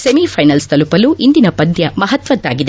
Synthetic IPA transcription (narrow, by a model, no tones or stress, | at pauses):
semipʰɐjnɐlst̪ɐlupɐluʔind̪inɐpɐd̪jɐmɐɦɐt̪ʋɐd̪ːa̰ːɡid̪e